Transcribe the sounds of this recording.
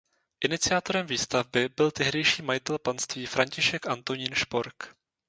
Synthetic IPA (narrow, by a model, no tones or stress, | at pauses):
ʔɪnɪt͡sɪat̪o̞ɾɛmviːst̪avbɪbɪlt̪ɛɦdɛjʃiːmajɪt̪ɛlpanst̪viːfɾaɲcɪʃɛkʔant̪o̞ɲiːnʃpoɾk